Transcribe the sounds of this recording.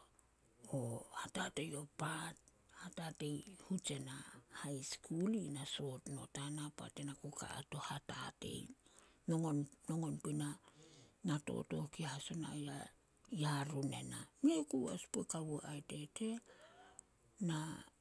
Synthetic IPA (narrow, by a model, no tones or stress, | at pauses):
ohatate̞jo̞pat̚ | hatate̞jhut͡ʃe̞nahajskʰulinaso̞tno̞tanapa̰te̞nakuka̰a̰to̞hatate̞̰jnoŋonno̞ŋo̞npina | nato̞̰to̞̰kihaso̞na̰ja | jaɾune̞̰na̰miekua̰spuekawuʔaete̞tʰe̞ | na